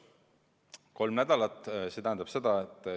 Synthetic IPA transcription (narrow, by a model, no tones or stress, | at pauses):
ko̞lmnæd̪̥ɑlɑt̪ːˑset̪æhænd̪ɑb̥se̞d̪ɑet̪ːˑ